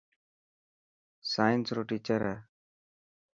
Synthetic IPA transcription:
saːjənsɾoːʈiːt͡ʃəɾɦɛː

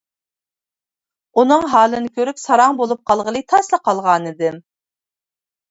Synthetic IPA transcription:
unɨŋɦɑːlˠɨnɨkʲʰøɾypsɑɾɑŋbolˠup̚qʰɑlˠʁəlˠɨt̪ʰɑslˠəqʰɑlˠʁɑːnɨd̪ɨm

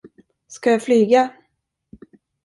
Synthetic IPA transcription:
skajɑflyːɡa

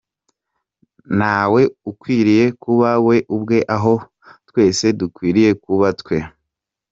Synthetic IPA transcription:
nawe̞ukwiːɾije̞kuβawe̞ʔubɡe̞ʔaɦo̞ | twe̞ːse̞dukwiːɾije̞kuβatkwe̞

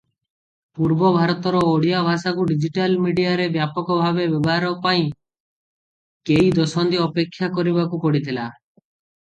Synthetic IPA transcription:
puɾbɔbʱaɾɔt̪ɔɾɔːɽijabʱasakuɖid͡ʒiʈalmiɖijaɾebjapɔkɔbʱabebɔbɔɦaɾɔpaĩ | kejd̪ɔsɔnd̪iɔpekʰːjakɔɾibakukɔɽit̪ʰila

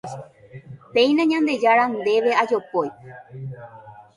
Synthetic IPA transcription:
pẽ̞j̃nãɲãnd̪e̞d͡ʒaɾand̪e̞ʋe̞ad͡ʒo̞poj

